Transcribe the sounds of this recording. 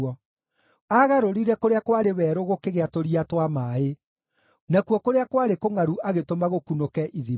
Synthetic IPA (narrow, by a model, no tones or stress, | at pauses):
ɔ | aɣaɾoɾiɾɛkoɾeakwaɾewɛɾoɣokeɣeatoɾiatwamae | nakuwɔkoɾeakwaɾekoŋaɾuʔaɣetomaɣokunokɛʔiði